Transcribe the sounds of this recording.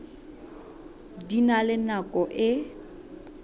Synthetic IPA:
dinalɪnakʼɔʔɪ

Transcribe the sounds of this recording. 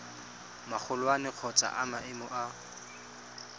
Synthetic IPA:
mak͡xʰʊlwanɪq͡χʰɔt͡sʼa̰ʔamaɪmɔʔa

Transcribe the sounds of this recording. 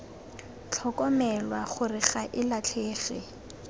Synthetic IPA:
t͡ɬʰɔkɔmɛlwaχʊrɪχaʔɪlat͡ɬʰeːχɪ̰

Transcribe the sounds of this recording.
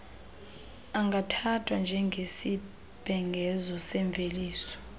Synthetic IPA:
aŋɡʱatʰatʰʼwand͡ʒʱɛŋɡʱesi | b̥ʱɛŋɡʱɛzɔsɛɱvʱeliːsɔ̥

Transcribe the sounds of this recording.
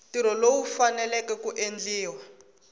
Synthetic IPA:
tiɾɔlowufanɛlɛkɛkuʔend͡ɮiːwa

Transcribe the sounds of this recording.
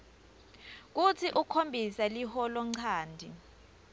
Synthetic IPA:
k̬utʰiʔukʰombʱisalihɔlɔŋ͡ǀʰaːndʱi

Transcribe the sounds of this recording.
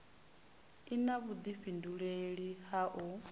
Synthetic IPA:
inaβud̪iɸinduɺeɺihaʔu

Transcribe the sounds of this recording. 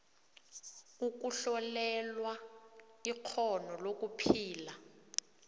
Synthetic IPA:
uk̬uɬɔlɛlwa | iq͡χʰɔnɔlok̬upʰiːla

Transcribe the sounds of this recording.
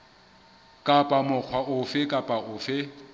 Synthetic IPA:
kʼapʼamʊk͡xʰwaʔʊfɪkʼapʼaʊfɪ

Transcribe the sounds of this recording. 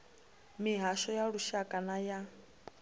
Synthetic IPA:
miɦaʃɔjaɺuʃakʼanaja

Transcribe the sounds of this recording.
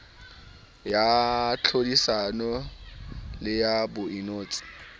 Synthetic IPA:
jat͡ɬʰodisanɔ | lɪjabʊinoːt͡sʼɪ̥

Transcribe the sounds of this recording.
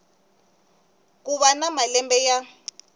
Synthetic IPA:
k̬uβanamalɛmbɛja

